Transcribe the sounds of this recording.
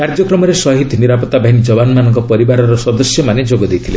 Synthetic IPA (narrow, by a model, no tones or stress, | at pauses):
kaɾd͡ʒɔkɾɔmɔɾesɔɦit̪ʰniɾapɔt̪ːabʱaɦinid͡ʒɔbanmanɔŋkɔpɔɾibaɾɔɾɔsɔd̪ɔsjɔmaned͡ʒoɡɔd̪ejt̪ʰile